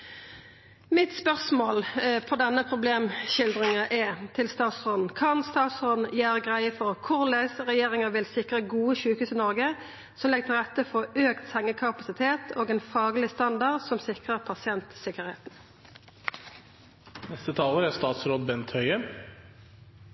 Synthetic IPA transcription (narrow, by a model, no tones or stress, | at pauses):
mɪt̪spœʁsmoːlfɔʁd̪ɛnːəpʰʁʊbleːmʃɪld̪ʁɪŋəʔɛt̪ʰɪlst̪ɑːt̪sʁoːd̪n̩kʰɑnst̪ɑːt̪sʁɔːd̪n̩jæːʁəɡʁæɪəfɔʁkʰʊʁlæsʁɛjeːʁɪŋəʋɪlsɪkʁəɡuːəʃʉːkʉːsɪnɔʁɡə | sɔmlɛɡ̚t̪ʰɪlʁɛt̪ːəfɔøːkt̪sɛŋːəkʰɑpɑsɪt̪ʰeːt̪ʰoːɡɛːnfɑːɡlɪst̪ɑnd̪ɑʁd̪sɔmsɪkʁəʁpʰɑsɪɛnt̪sɪkəʁhḛːt̪n̩ | nɛst̪ət̪ʰɑːləɾæst̪ɑːt̪sɾoːd̪bɛnt̪hœʏə